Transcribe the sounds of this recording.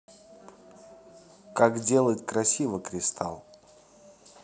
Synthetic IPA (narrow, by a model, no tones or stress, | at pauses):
kakdʲe̞lˠətʲkɾɐsʲivəkɾʲɪst̪ʰa̰lˠ